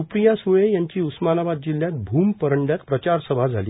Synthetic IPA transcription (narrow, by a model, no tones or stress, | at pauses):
upɾijasuɭẽjaɲt͡ɕiːusmanaʋad̪̚d͡ʑiljat̪̚bʱuːmpəɾəɳɖjak̪pɾət͡ɕaɾsəbʱad͡zʱaliː